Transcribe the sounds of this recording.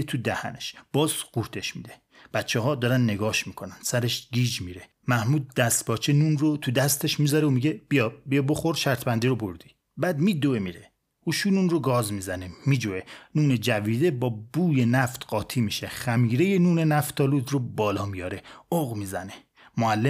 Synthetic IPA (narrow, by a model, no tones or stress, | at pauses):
t̪ʰud̪æhæ̰neʃb̥ɒːzɡuɾt̪ʰe̞ʃmḭːd̪e̞̥ | b̥æt̪t͡ʃʰeɦɒːd̪ɒːɾænd̪ne̞ɡɒːʃmiːkʰo̞nænd̪̥sæɾeʃɡiːd͡ʒmiɾe̞ | mæhmuːd̪̚ːæst̪bɒːt͡ʃʰenunrot̪ʰud̪æst̪e̞ʃmiːzɒɾeomiɟe̞bijɒbijɒbo̞xo̞ɾʃæɾt̪ʰbænd̪iɾobo̞ɾd̪i̥ | bæd̪mid̪oemiɾe | uʃuːnunroɡɒːzmizænemiːd͡ʒoenuːned͡ʒæviːd̪e̞bɒːbuːje̞næft̪ɢ̥ɒːt̪ʰimiʃeχæmiːɾe̞jenuːne̞næft̪ʰɒːluːd̪robɒːlɒːmijɒːɾe̞oɣmiːzæne̞ | moælːe